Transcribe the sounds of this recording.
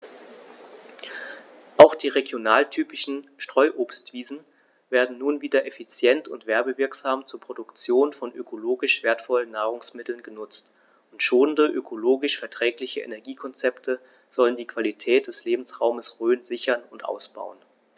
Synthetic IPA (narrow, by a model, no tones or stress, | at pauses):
ʔaʊxd̥iːʁeɡjonaːltʰyːpɪʃn̩ʃtʁ̥ɔʏʔoːpstv̥iːzn̩ | veːɐdn̩nuːnviːdɐʔefit͡sjɛntʰʊntv̥ɛɐbəvɪɐkz̥aːmt͡suːɐpʁ̥odʊkt͡sjoːnfɔnʔø̰kʰoloːɡɪʃv̥eːɐtfɔlənːaːʁ̞ʊŋsmɪtl̩nɡənʊt͡st | ʊntʃoːnəndəʔøkʰoloːɡɪʃfɛɐtʁ̥ɛːklɪçəʔḛnɛɐɡiːkʰɔnt͡sɛptʰə | z̥ɔləndiːkv̥alitʰɛːt̚d̥ɛsleːbm̩sʁaʊməsʁøːnzɪçɐnʊntʔa̰ʊsb̥a̰ʊən